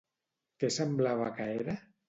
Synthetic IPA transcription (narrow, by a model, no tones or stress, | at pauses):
kesemblaβakaeɾa